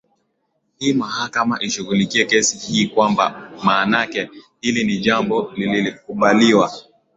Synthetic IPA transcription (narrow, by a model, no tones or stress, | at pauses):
hiːmahakamaʔiʃuɣulikiɛkɛsihiːkwamba̰maːnakɛhiliniʄambɔlililik̚uɓaliwa